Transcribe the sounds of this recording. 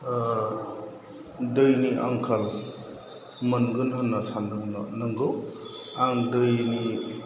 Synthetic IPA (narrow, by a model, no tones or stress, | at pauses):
dɯjniʔa̰ŋkʰal | mɐnɡɯnɦɐnːasanɯnɐŋɡɯw | aŋdɯjni